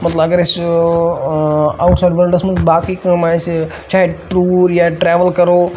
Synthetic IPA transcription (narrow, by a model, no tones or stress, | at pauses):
mɐt̪ləbɐɡəɾɪs | aːʊʈsaɪɖʋəɾɖəsmɐ̃baːkiːkmaɪs | t͡ʃaːɦeʈɾuːɾjaʈɾeːʋəlkɐɾoː